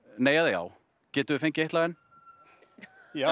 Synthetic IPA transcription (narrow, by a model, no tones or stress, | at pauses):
neːjaðeja̰ːw | cɛːt̪ʏðɪfejɲcɪejht̪laɛn | ja